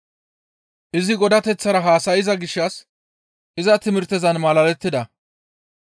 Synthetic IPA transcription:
ʔɪzɪɡɔd̪ɐt̪ɛt͡sːɐɾɐɦaːsɐjɪzɐɡɪʃːɐs | ʔɪzɐt̪ɪmɪɾt̪ːɛzɐnmɐlɐlɛt̪ːɪd̪ɐ

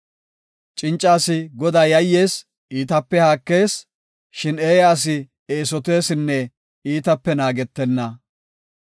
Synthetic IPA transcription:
t͡ʃʼɪnt͡ʃʼːaːsɪɡɔd̪ajɐjːe̞ːs | iːt̪ɐpːɛhaːkːe̞ːs | ʃɪneːjaːs̬ɪ | eːsɔt̪e̞ːsɪnːɛ | iːt̪ɐpːɛnaːɡɛt̪ːɛnːɐ

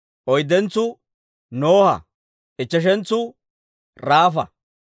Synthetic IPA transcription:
ʔɔjd̪ɛnt͡sːʊ | noːhɐ̰ | ʔɪt͡ʃːɐʃ̬ɛnt͡sːʊ | ɾaːfɐ

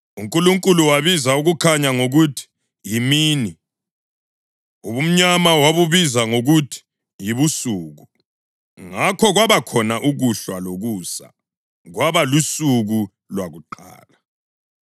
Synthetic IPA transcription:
uŋkʼuluŋkʼuluwaβizauɣukʰaɲaŋoɣutʰi̥ | jimiːni | uβum̩ɲamawaβuβizaŋoɣutʰi̥ | jiβusuːɣu | ŋakʰɔɣwaβakʰɔnaʔuɣuɬwaloɣuːsa̰ | ɣwaβalusuɣu | lwaɣuǃa̰ːla

